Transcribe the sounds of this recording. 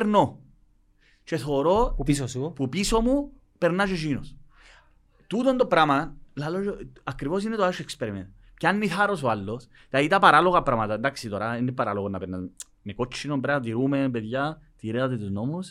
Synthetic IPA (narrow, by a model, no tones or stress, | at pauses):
ɾno | t͡ʃeθoɾosspupisomu | peɾnaʒeʃinos | t̪ud̪ond̪opɾamalalod͡ʒoakːɾiβos̬inːet̪oaʃekspeɾemen | keanːiθaɾos̬walːos | t̪ait̪apaɾaloɣapɾamat̪and̪aksit̪oɾaenepaɾaloɣonapenːa | mekot͡ʃːinompɾat̪iɾumebeðjat̪iɾeat̪et̪usnomos